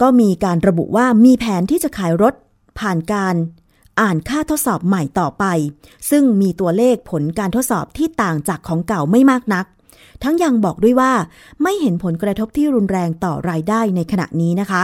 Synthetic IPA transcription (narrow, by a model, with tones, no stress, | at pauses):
kɔː˥˩miː˧kaː˧nɾa˧bṵ˨˩ʔwaː˥˩miː˧pʰɛː˩˦nt̪ʰiː˥˩t͡ɕa˨˩kʰaː˩˦jɾo˦˥t̪̚ | pʰaː˨˩nkaː˧n | ʔaː˨˩nkʰaː˥˩t̪ʰo˦˥t̪̚sɔː˨˩p̚ma˨˩jt̪ɔː˨˩pa˧j | sɯ˥˩ŋmiː˧t̪u˧ɐleː˥˩k̚pʰo˩˦nkaː˧nt̪ʰo˦˥t̪̚sɔ̰ː˨˩p̚t̪ʰiː˥˩t̪aː˨˩ŋt͡ɕaː˨˩kʰːɔː˩˦ŋka˨˩wma˥˩jmaː˥˩k̚na˦˥k̚ | t̪ʰa˦˥ŋja˧ŋbɔː˨˩k̚du˥˩əjwaː˥˩ | ma˥˩jɦe˩˦npʰo˩˦nkɾa˧t̪ʰo˦˥p̚t̪ʰiː˥˩ɾu˧nɾɛː˧ŋt̪ɔ̰ː˨˩ɾaː˧jdaː˥˩jna˧jkʰa˧na̰˨˩ʔniː˦˥na˦˥kʰa˦˥